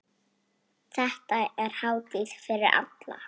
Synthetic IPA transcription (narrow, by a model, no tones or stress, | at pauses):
θɛht̪aɛɾ̥haːwt̪ɪðfɪɾɪɾa̰t̪la̰